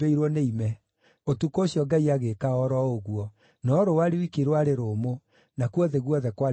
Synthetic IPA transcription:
eiɾwɔneimɛ | otukoːɕjɔɡaiaɣekaɔɾɔoɣuɔ | nɔɾowaɾewikiɾwaɾeɾomo | nakwɔðeɣwɔðɛkwa

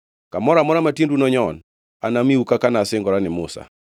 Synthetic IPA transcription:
kamɔɾamɔɾamatindunɔɲɔn | anamiukakanasɪŋɡɔɾanɪmʊsa̰

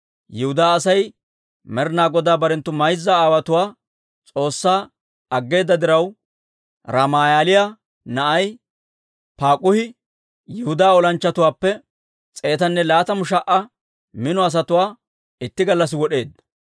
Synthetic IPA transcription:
jɪhʊd̪aːsɐj | mɛɾnaːɡɔd̪aːbɐɾɛnt̪ːʊmɐjzːɐaːwɐt̪ʊwaː | t͡sʼo̞ːsːaː | ɐɡːe̞ːd̪ːɐd̪ɪɾɐw | ɾɐmaːjaːlɪja | nɐʔɐj | paːkʼʊhɪ | jɪhʊd̪aːɔlɐnt͡ʃːɐt̪ʊwaːpːɛ | t͡sʼe̞ːt̪ɐnːɛlaːt̪ɐmʊʃɐʔɐ | mɪnɔɐs̬ɐt̪ʊwaː | ɪt̪ːɪɡɐlːɐs̬ɪwɔɗe̞ːd̪ːɐ

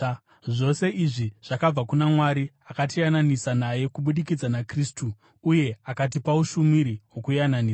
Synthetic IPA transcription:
ʐo̞se̞ʔiʐiʐ̥akab͡vakunamwaɾi | akatijananisanaje̞kuɓuɗikid͡zanakristuː | je̞akat̬ipauʃumiɾiɦwo̞kujananiːa

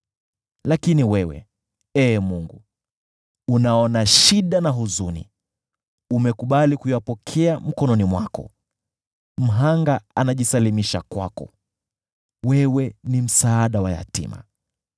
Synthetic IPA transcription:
lakiniwɛwɛ̰ | ɛːmuŋɡu | unaɔnaʃiɗanaɦuzunḭ | umɛkuɓalikujapɔkʰɛam̩kɔnɔnimwa̰kɔ̰ | m̩ɦaŋɡaanaʄisalimiʃakwa̰kɔ̰ | wɛwɛnim̩saaɗawaja̰tḭma̰

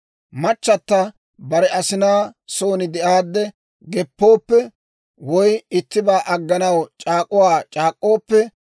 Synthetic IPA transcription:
mɐt͡ʃːɐt̪ːɐ | bɐɾɛʔɐsɪnaːso̞ːnɪd̪ɛʔaːd̪ːɛ | ɡɛpːoːpːɛ | wɔjɪt̪ːɪbaːʔɐɡːɐnɐwt͡ʃʼaːkʼːʊwaːt͡ʃʼaːkʼːo̞ːpːɛ

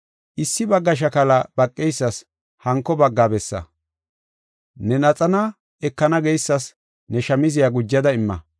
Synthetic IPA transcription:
ʔɪsːɪbɐɡːɐʃ̬ɐkɐlɐb̥ɐkʼːɛjsːɐs | hɐŋkːɔbɐɡːaːbɛsːɐ̰ | nɛnɐt͡sʼɐnɐ | ɛkːɐnɐɡɛjsːɐs | nɛʃɐmɪzɪjaɡʊd͡ʒːɐd̪ɐɪmːɐ̰

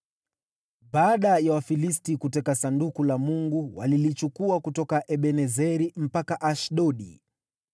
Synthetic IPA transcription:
ɓaːɗajawafilistikutɛkasandukulamuŋɡuwa̰lilit͡ʃukuakutɔkaʔɛɓɛnɛzɛɾim̩pakaʔaʃɗɔɗḭ

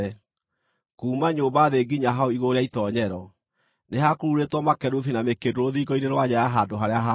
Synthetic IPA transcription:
kuːmaɲoːmbaðeɡiɲaɦaoiɣoɾeaitɔɲɛɾɔ | neɦakoɾuɾetwɔmakɛɾuθinamekedoɾoðiːɡɔineɾwaɲajaɦadoɦaɾeaɦa

